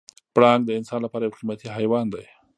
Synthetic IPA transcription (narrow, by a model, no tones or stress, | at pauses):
pɽɑŋɡd̪əɪnsɑnlapɑːɾajawqimat̪iɦajwɑnd̪aj